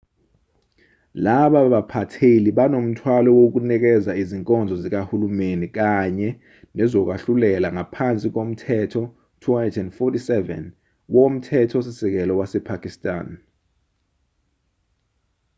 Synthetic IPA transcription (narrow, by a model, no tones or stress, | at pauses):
laɓaɓapʰatʰeliɓanom̩tʰwalɔwok̬unɛk̬ɛzaiziŋkʼɔnd͡zʱɔzik̬ahulumenik̬aɲɛ | nɛzɔk̬waɬulɛlaŋapʰant͡sʼik̬om̩tʰɛtʰɔ | tʰuatʰɛndfɔtisɛvɛ̰n | wom̩tʰɛtʰɔsisɛk̬ɛlɔwasɛpʰakʼistʼa̰ːn